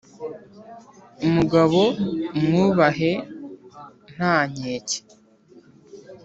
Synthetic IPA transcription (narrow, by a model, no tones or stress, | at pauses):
umuɡaβo̞mŋuːβaɦe̞ | n̥haːɲeːce̥